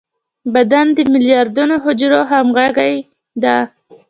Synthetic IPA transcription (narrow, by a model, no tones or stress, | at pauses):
bad̪and̪əmɪljɑɾd̪unoɦʊd͡ʒɾoɦamɣaɣaj | d̪a